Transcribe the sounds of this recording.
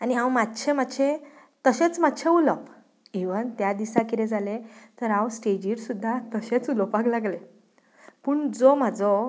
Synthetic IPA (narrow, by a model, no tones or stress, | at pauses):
aniɦãwmat̪ːt͡ɕʰemat̪ːɕʰe | t̪əɕet͡smat̪ːɕʰeulɔp | iʋənt̪jad̪isãkiɾẽd͡zalet̪əɾãwsʈed͡ʑiɾsud̪ʱːat̪əɕet͡sulɔpaklaɡle | puːɳd͡zom̤ad͡zɔ